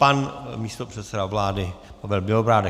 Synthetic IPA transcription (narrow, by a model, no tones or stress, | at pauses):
panmiːst̪opr̝̥ɛt̪sɛdavlaːdɪpavɪlbɪobɾaːdɛ